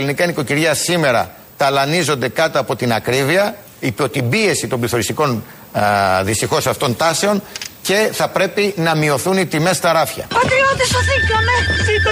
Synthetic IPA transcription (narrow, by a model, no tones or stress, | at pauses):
linikɐiniko̞ciɾʝɐsime̞ɾɐ̰ | t̪ɐlɐnizo̞nd̪e̞kɐt̪oɐpo̞t̪inɐkɾiviɐ | ipo̞t̪ibie̞sit̪o̞mbliθo̞ɾist̪iko̞n | ðist̪ixo̞sɐft̪o̞nt̪ɐse̞o̞nce̞θɐpɾe̞pinɐmio̞θunit̪ime̞st̪ɐɾɐfçɐ̰pɐt̪ɾiot̪isoðiceomesi